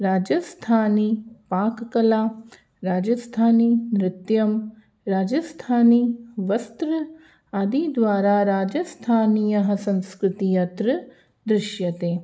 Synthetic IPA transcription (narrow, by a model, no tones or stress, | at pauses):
ɾaːd͡ʒɐst̪ʰaːnipaːkkɐlaː | ɾaːd͡ʒɐst̪ʰaːninɾɪt̪jɐm | ɾaːd͡ʒɐst̪ʰaːniʋɐst̪ɾɨ | ɐd̪id̪ʋaːɾaːɾaːd͡ʒɐst̪ʰaːnijɐɦɐsɐ̃nskɾɪt̪ijɐt̪ɾɨ | d̪ɾɪʃjɐt̪eː